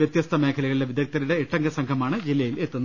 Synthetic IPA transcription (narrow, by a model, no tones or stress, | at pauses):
jɐt̪jɐst̪ʰɐme̞ːkʰɐlɐɣɐɭileʋid̪ʱjɐk̚t̪ɐɾuɽeːʈːɐŋɡɐsɐŋkʰɐmaːɳɨd͡ʑilːɐjile̞t̪ːunː